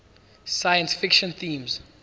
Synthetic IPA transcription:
sajə̃nsfɪkʃɔ̃nθĩːmz̥

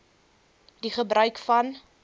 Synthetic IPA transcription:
diχəbrœɥkfɐn

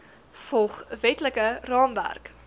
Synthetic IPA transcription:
fɔlˠχvɛtləkərɑːmvæ̰rk

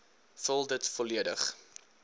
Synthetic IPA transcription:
fəlˠdətfɔliədə̰χ

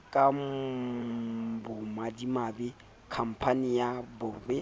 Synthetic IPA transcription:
kʼam | bʊmadimabɪ | kʰam̩pʰanijabɔbɛ

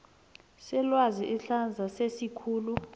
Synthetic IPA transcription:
sɛlwaziʔiɬand͡zʱasesikʰuːlu

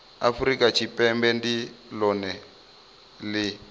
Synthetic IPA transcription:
a̰fuɾikʼat͡ʃʰipʼɛmbɛndilɔnɛ | lɪ

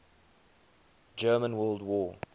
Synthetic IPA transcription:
d͡ʒɜːmə̃nwɜːlˠdwɔː

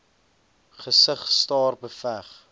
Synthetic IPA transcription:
χəsəχstɑːrbəfæχ

